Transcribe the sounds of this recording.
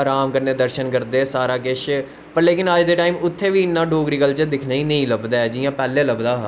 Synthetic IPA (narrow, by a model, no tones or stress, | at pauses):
ɾaːmkəɾneːd̪əɾʃənkəɾd̪eːsaːɾaːkɪʃ | pəɾleːkɪnəd͡ʒd̪eːʈaːiːmʊt̪ʰːeːʋiːɪnːãːɖoːɡɾiːkəlt͡ʃəd̪ɪkʰnaːiːnəĩːləbd̪aːɛːd͡ʒiːjãːpɛːlːẽːləbd̪aːɦ